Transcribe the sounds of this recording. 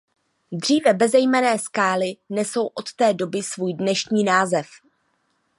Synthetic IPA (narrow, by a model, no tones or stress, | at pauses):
d̪r̝iːvɛbɛzɛjmɛnɛːskaːlɪnɛso̞wʔo̞t̪t̪ɛːdo̞bɪsvuːjdnɛʃɲiːnaːzɛf